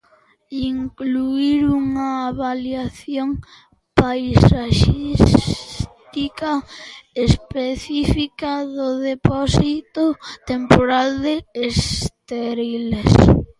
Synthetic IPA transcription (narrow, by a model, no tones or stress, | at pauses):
iŋkluiɾuŋaːβaljaθjoŋ | pajsaʃis | t̪ikaespeθifikaðʊðepɔsit̪ot̪empoɾald̪eːst̪eɾiles